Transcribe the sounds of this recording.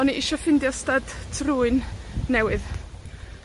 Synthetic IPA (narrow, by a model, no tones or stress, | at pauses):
ɔniʔɪʃɔfɪndjɔstad̥tʰruɨnːɛwɨð